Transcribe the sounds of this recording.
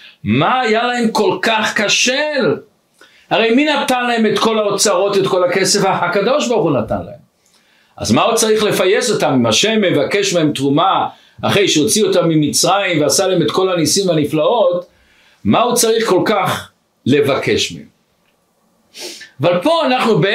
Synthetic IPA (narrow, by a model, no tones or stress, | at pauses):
maːjalae̞mko̞lkaχkaʃel | haʁe̞jminatanlaemet̪ko̞laot͡saʁo̞tetko̞lakesefahakado̞ʃbaʁχunata̰nla̰hem | ʔa̰zmaut͡saʁiχle̞fajeso̞tamimaʃemːe̞vakeʃmeemtʁuma | aχe̞jʃeo̞t͡sio̞tamːimit͡sʁajimveasalaeme̞tko̞lanisimvaniflao̞t | maut͡saʁiχko̞lkaχ | le̞vake̞ʃmḛem | avalpo̞anaχnube